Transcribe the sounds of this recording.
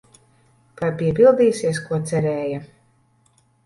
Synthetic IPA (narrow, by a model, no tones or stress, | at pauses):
kaɾpiɛpilˠd̪iːsiɛskuɔt̪sɛɾɛːja